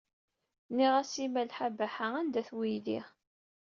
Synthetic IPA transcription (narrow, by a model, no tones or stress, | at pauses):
niʁæsimælħabæħaænd̪æθwijði